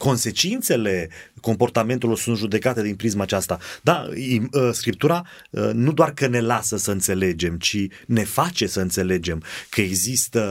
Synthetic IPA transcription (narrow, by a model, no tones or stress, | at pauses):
ko̞nse̞t͡ʃint̪se̞le̞ko̞mpo̞rt̪ame̞nt̪elorsunt̪ʒud̪e̞kat̪e̞d̪inpɾismat͡ʃast̪ad̪aiskɾip̚t̪uɾa | nud̪oarkəne̞lasəsəɨnt̪se̞le̞d͡ʒe̞mt͡ʃine̞fat͡ʃe̞səɨnt̪se̞le̞d͡ʒe̞mkʰəe̞ɡzist̪ə